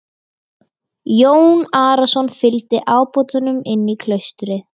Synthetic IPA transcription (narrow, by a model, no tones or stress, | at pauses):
joːwnaːɾasɔnfɪlt̪ɪʔaːwpowt̪anʏmɪnːikʰlœɥst̪ɾɪ